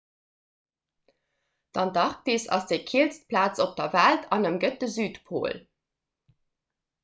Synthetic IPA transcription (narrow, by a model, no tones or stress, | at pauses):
d̥ɑndɑʁk̚deːsɑ̰sd̥eɪkʰiəlst̚pʰlaːt͡sop̚d̥ɐvæltʰɑnəmɡət̚dəzyːtpʰo̰ːl